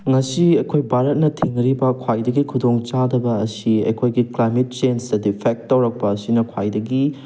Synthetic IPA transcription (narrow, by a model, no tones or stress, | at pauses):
ŋɐsiɐjkʰojbʱaɾɐt̚nɐtʰiŋɾibɐkʰwajdɐɡikʰudoŋt͡ʃadɐbɐːsiɐ̰jkʰojɡiklajmet̚t͡ʃenstɐdipʰek̚ttːɐwɾɐk̚pɐːsinɐkʰwajdɐɡi